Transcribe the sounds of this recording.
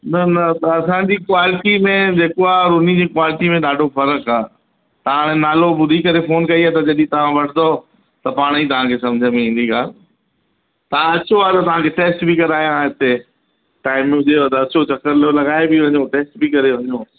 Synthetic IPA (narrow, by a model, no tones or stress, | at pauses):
nɐnɐt̪ɐːsãːd͡ʑiːkwaːlɪʈimẽd͡ʑeːkoaːɾʊnid͡ʑiːkwaːlɪʈimẽɗaːɖʱofɐɾəkaː | t̪ɐʋãɽ̃ẽnaːlobʊd̪ʱikɐɾefoːnkɐiaːt̪ɐd͡ʑɐɗĩt̪ɐʋ̤ãʋɐʈʰɪd̪o | t̪ɐpaːɽ̃it̪ɐʋ̤ãkʰesɐ̃md͡ʑʱəmĩĩːn̆d̪iɡaːl | t̪ɐʋ̤ãɐt͡ɕoaːt̪ɐt̪ɐʋ̤ãkʰeʈeːsʈbʱɪkɐɾaːɦijãɦɪt̪e | ʈaːɪmːʊd͡ʑeot̪ɐɐt͡ɕot͡ɕɐkəɾlolɐɡaːebɪʋɐɲoʈeːsʈbɪkɐɾeʋɐɲoː